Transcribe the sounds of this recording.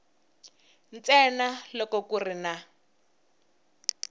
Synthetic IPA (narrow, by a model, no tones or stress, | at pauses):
nt͡sɛnalɔkɔkurina